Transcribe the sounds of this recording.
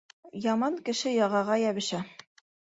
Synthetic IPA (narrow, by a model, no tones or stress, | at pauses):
jɑmɑŋkɘ̆ʃɘjɑʁɑʁɑjæβɘ̆ʃæ